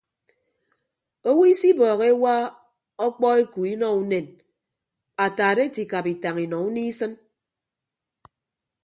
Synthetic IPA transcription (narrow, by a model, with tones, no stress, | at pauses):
o˦wi˦i˦si˦bɔː˨ɣe˦wa˦ | ɔ˦k͡pɔ˦e˦ku˨i˦nɔ˦u˦ne˨n | a˨taː˨de˦ti˨ka˨pi˨ta˨ŋi˨nɔ˨u˦ni˦sɨ˦n